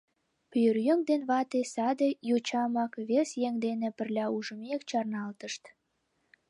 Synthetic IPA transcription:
pørjøŋd̪enβɑt̪esɑd̪ejot͡ɕɑmɑkβesjeŋd̪enĕpə̆rlʲɑuʒə̆mekt͡ɕɑrnɑlt̪əʃt̪

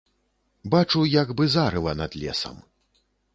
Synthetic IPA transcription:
bat͡ʂujaɡbɨzaɾɨlˠɐnɐd̪lʲɛ̰sɐ̰m

